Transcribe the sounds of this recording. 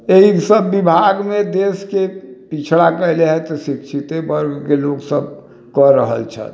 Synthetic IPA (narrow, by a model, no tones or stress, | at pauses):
eɦisəbːibʱaɡmed̪eskepit͡ʃʰɽakəɦileɦɛt̪ɔsikt͡ʃʰit̪ebəɾɡkeloksəb̚ | kəɾəɦə̰lt͡ʃʰə̰t̪